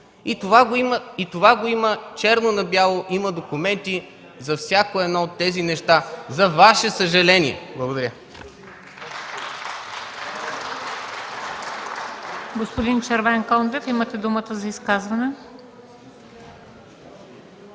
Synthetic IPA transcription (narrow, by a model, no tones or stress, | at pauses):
it̪ovaɡoiməit̪ovaɡoimət͡ʃɛɾnonɐbjalˠoʔiməd̪okumɛnt̪i | zɐfsʲjakoɛd̪nɔot̪ːɛzinɛʃt̪azɐvaʃɛsɐʒɐlɛniɛ̰blˠɐɡod̪ɐɾʲjə | ɡospod̪int͡ʃɐɾvɛŋkɔnd̪ɛfimət̪ɛd̪umət̪əzɐiskazvɐnɛ